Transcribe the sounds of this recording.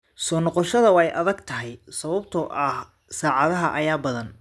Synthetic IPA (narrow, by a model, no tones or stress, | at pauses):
sɔːnɔqɔʃɐðɐwɛjʔɐðɐɡt̪ʰɐɦɛjsɐβɐbt̪ʰɔʔɐh | saːʕɑðɐɦɐʔɐjaːbɐðɐn